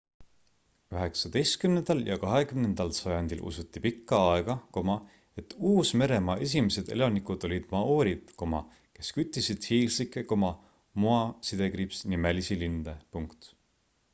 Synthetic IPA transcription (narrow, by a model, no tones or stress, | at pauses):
yɦe̞ksɑd̪ejst̪̚kymnend̪̥ɑljɑ̰kɑɦekymnend̪̥ɑlsɑjɑnd̪̥ilʔṵsut̪ːˑipikːɑɑeɡ̥ɑko̞mɑ | e̞t̪ːˑuːsme̞ɾe̞mɑʔe̞s̬ʲimese̞d̪̥e̞̰lɑnikud̪̥o̞lʲid̪̥mɑoːɾid̪̥ko̞mɑ̰ | ke̞skyt̪ːˑisid̪̥hiːlsikːˑeko̞mɑ | muɑsid̪̥e̞ɡripsnimæelisilind̪̥epuŋkt̪